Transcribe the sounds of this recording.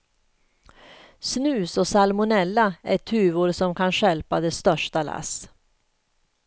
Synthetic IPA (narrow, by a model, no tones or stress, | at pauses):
snʉ̟ːsɔsalmʊnɛlːaɛʈʰʉ̟ːvʊɾsɔmkʰanɕɛlpad̪ɛst̪œʂʈalʔa̰s